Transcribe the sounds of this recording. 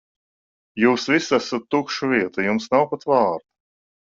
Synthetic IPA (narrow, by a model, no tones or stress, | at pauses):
juːsvisæsat̪ːukʃuvʲiɛt̪ujumsnawpat̪vɑːɾd̪a